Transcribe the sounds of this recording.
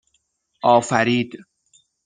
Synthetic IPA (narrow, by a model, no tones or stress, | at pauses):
ʔɒːfæɾiːd̪̥